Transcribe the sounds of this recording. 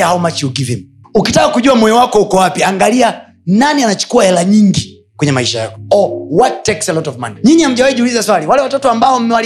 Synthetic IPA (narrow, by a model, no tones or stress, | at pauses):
ahaumat͡ʃiukivim̩ | ukitakakuʄuamwɔjɔwakɔhukɔwapiaŋɡalia | nanianat͡ʃu̥kuahɛlaɲiŋɡi | kwɛɲɛmaiʃaja̰kɔ̥ɔwattːɛksɛlɔtɔvma̰niɲiɲiam̩ʄawɛiʄiulizaswaliwalɛwatɔtɔambaɔm̩mɛwal